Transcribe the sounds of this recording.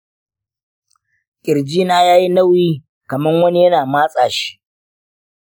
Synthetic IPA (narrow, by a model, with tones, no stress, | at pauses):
kʲʼɪ˨ɾd͡ʒiː˦naː˦jaː˦ji˦nɐ˦wjiː˦ | kɐ˨mɐ˦ŋwɐ˦ni˦jɐ˦naː˨maː˦sʼaː˨ʃi̥˦